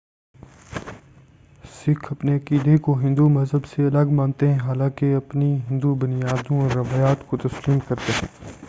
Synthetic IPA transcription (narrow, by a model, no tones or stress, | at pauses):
sɪkʰɐpneɐkiːd̪ekoɦɪ̃nd̪umɐzɦəbseɐləɡmãːnt̪eɦɛ̃ɦaːlãːkeɐpniɦɪ̃nd̪ubʊnijaːd̪õɔːɾːɐʋaːjaːt̪kot̪ɐsliːmkɐɾt̪eɦɛ̃ː